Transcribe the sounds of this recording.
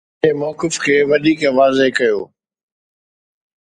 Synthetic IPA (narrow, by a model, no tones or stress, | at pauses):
emɔːkɪfkʰeːʋɐɗ̪iːkʋaːzekɐjo̰ː